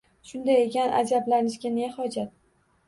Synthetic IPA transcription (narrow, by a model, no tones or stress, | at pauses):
ʃʊnd̪ajekʲanʔa̰d͡ʒablanɪʃkʲanejahɒd͡ʒat̪̚